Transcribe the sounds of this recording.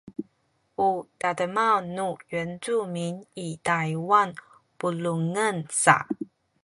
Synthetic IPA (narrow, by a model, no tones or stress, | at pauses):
ut̪ad̪əmanuɥɛnt͡suminit̪ajiwan | puluŋənsa̰